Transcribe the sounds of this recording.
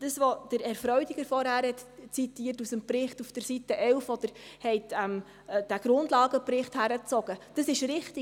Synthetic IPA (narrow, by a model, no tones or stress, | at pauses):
d̥əsʋod̥əɾɛɾfɾœɥdiɡ̥əɾfɔɾhæːɾhɛtt͡sitiːtusəmpɾɪχtufd̥əɾsitəʔɛlfɔd̥əɾhɛɪtɛm | d̥æɡ̥ɾʊndlɑːɡ̥əpɾɪχthæɾət͡sɔɡ̥əd̥əsɪʃɾɪχti